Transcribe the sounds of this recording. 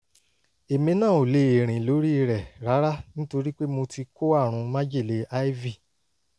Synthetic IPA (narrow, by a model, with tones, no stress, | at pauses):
e˨mĩ˧˦nãː˦˨o˨le˨˧˦e˨ɾ̃ĩ˨lo˨˦ɾi˦i˧ɾɛ˨ɾa˨˦ɾa˦nĩ˦to˧ɾi˦k͡pe˦mo˧ti˧ko˦a˦˨ɾ̃ũ˨˧˦mã˦d͡ʒe˦˨le˨˦a˦vi˦˨